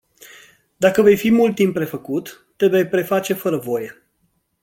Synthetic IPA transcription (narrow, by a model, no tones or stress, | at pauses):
d̪akəve̞jfimult̪ːimpːɾe̞fəkut̪ː | eve̞jpɾe̞fat͡ʃe̞fəɾəvo̞je̞